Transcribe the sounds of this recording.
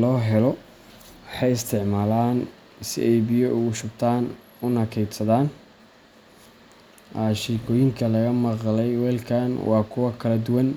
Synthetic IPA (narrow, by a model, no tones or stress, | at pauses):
lɔːɦɛlɔ | wɑħɑjɪst̪ʰɪʕmaːlaːn | sɪ̰ʔɛjbɪjɔʔʊɣʊʃʊb̚t̪ʰaːn | ʊnɐkʰɛjd̪sɐðaːn | ʔaʃiːkʰɔːjɪŋkʰɐlɐɣɐmɑqlɛjwɛːlkʰanwɑːkʰʊwɑkʰɐlɐd̪ʊwɐn